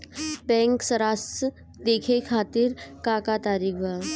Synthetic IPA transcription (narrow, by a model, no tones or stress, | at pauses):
bɛ̃ŋksəɾas | d̪ekʰekʰat̪iːɾkakat̪aɾiʋa